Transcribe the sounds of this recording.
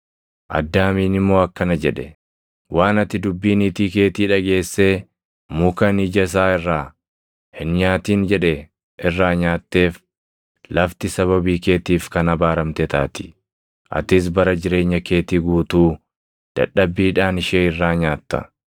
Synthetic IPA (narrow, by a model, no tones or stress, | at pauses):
ʔɐ̰d̪ːaːmiːnɪmːo̞ːɐkːɐnɐd͡ʒɛᶑɛ | wʔaːnɐt̪ːɪd̪ʊbːiːnɪt̪iːke̞ːt̪iːᶑɐɡe̞ːsːe̞ː | mʊkɐnɪd͡ʒɐs̬aːɪrːaː | hɪnɲaːt̪iːnd͡ʒɛᶑɛ | ʔɪrːaːɲaːt̪ːe̞ːf | lɐft̪ɪsɐβɐbiːke̞ːt̪iːfkɐnɐbaːɾɐmt̪ɛt̪a̰ːt̪ɪ̥ | ʔɐ̰t̪ɪs̬bɐɾɐd͡ʒɪɾe̞ːɲːɐke̞ːt̪iːɡuːt̪uː | d̪̥ɐ̰ᶑːɐbːiːᶑaːnɪʃeːɪrːaːɲaːt̪ːɐ̰